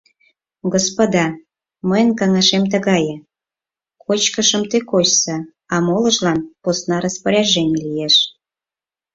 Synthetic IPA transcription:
ɡospod̪ɑ | məjnkɑŋɑʃemt̪əɣɑjə̆ | kot͡ɕkəʃə̆mt̪ekoɕsə | ɑmolə̆ʒlɑnposnɑɾɑspəɾʲɑʒenʲlijeʃ

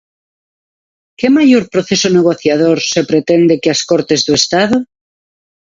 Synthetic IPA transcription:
ke̞maʝoɾpɾoθe̞soneɣ̞o̞θjað̞oɾse̞pɾet̪end̪ekeaskoɾt̪e̞zðuest̪aðo

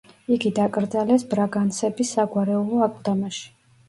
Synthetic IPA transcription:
iɡid̪akʼɾd̪zalɛsbɾaɡansɛbisːaɡwaɾɛulˠɔakʼd̪amaʃi̥

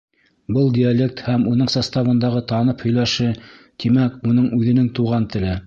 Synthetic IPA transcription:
bɤlˠd̪ʲialʲek̚t̪hæmunɤɴsɑst̪ɑβɤ̆nd̪ɑʁɤt̪ɑnɤphɵ̆jlæʃɘ | t̪imækunɤɴʉðɘ̆nɘŋt̪uʁɑnt̪ɘ̆lɘ

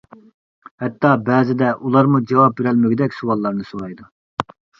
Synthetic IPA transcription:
hɛt̪ʰːɑbɛːzɪd̪ɛʔulˠɑɾmud͡ʒɑwɑp̚beɾɛlmɪɡʲɪd̪ɛkʲsuwɑlˠːɑɾnɨsoɾɑjd̪u

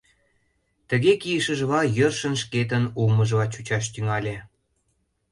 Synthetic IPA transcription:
t̪əɣekijəʃəʒβɑjørʃə̆nʃket̪̬ənulməʒβɑt͡ɕut͡ɕɑʃ̬t̪yŋɑlʲe

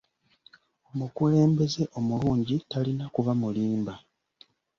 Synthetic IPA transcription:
o̞mukule̞ːmbe̞ze̞ʔo̞muluːɲɟitalinakuvamuliːmba

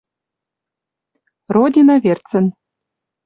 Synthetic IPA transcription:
rod̪ʲinɑβʲert͡sɘ̆n

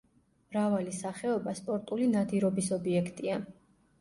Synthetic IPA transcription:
mɾavalisaχɛɔbaspʼɔɾt̪ʼulinad̪iɾɔbisɔbiɛkʰt̪ʼia

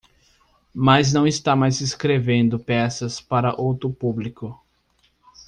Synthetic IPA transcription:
maznɐ̃w̃ist̪amajzeskɾevẽnd̪ʊpɛsɐspaɾɐʔowt̪ɾʊpublikʊ

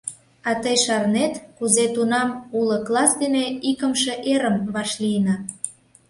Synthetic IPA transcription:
ɑt̪əjʃɑrnet̪kuzet̪unɑmulə̆klɑsd̪eneikəmʃeʔeɾəmβɑʃlijənɑ

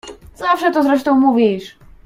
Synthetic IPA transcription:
z̥afʂɛt̪ɔzɾɛʂt̪ɔ̃w̃muvʲiʂ

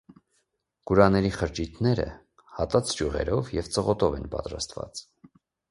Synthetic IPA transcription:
ɡ̥uɾɑnɛɾiχəɾt͡ʃit̪ʰnɛɾə̰ | hɑt̪ɑt͡sʰd͡ʒuʁɛ̰ɾɔvjɛvt͡səʁɔt̪ɔvɛnpɑ̰t̪ɾɑ̰st̪vɑ̰t͡s

